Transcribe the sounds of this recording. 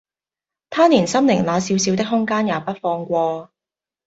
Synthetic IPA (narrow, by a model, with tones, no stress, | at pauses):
t̪ʰaː˥niː˨˩nsɐ˥mnɪ˨˩ŋlaː˨˧siː˨˧wsi˨wt̪ɪ˥k̚ɦʊ˥ŋkaː˥njaː˨˧pɐ˥t̚fɔː˧ŋkʷɔː˧